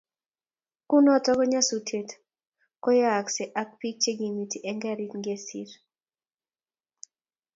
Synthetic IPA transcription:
kʊ˦nɔ˦tɔ˦kɔ˦ɲa˦su˨tʰe˨t | kɔ˦ja˦˨kse˨ʔa˦k̚pi˦k̚t͡ʃe˦ɡi˨mi˨ti˨ʔɛ˦ŋɡɛ˦ɾi˦tŋɡe˦sḭ˦ɾ

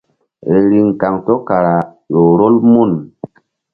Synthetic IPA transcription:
ɾe˨ɾi˨ŋ˨ka˨ŋto˦ka˨ɾa˨ | jo˨ɾo˦lmu˦˨n

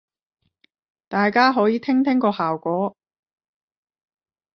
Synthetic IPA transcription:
t̪aː˨jkaː˥ɦɔː˨˥jiː˨˧t̪ʰɪ˥ŋt̪ʰɪ˥ŋkɔː˧haː˨wkʷɔː˨˥

